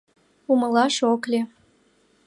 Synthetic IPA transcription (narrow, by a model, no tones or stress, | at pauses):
uməlɑʃoklʲe